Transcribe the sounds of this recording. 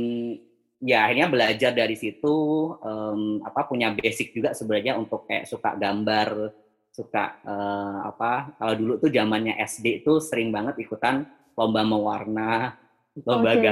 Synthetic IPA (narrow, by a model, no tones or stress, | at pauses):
jaahirɲabəlad͡ʒardaɾisit̪uəːma̰papuɲabesɪk̚d͡ʒuɡaʔsəbənarɲaunt̪ʊk̚ːʔsuka̰ʔɡambar | suka̰ʔəːa̰pakaladulut̪ud͡ʒamanɲaʔɛsdet̪usəɾɪŋbaŋət̪̚ikut̪an | lombaməwarna | lombaɡa